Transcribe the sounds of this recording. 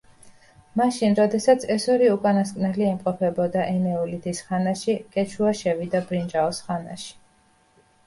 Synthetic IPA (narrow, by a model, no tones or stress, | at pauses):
maʃinɾɔd̪ɛsat̪sʰɛsɔɾiukʼanaskʼnɛliɛmqʼɔpʰɛbɔd̪aʔɛnɛulit̪ʰisχanaʃikʼɛt͡ʃʰuaʃɛvid̪abɾind͡ʒaɔsχana̰ʃi̥